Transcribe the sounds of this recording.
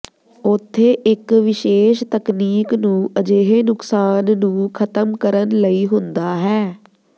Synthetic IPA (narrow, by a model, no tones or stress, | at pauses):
ʊt̪ʰːeːʔɪkʋɪʃeːʃt̪əkniːknũːʔəd͡ʒeːɦeːnʊksaːnːũːkʰət̪əmkəɾənləiːɦʊnd̪aːɦɛː